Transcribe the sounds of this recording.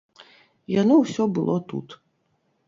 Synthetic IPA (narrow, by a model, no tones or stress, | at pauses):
janɔwsʲɔbɨlˠɔt̪ṵt̪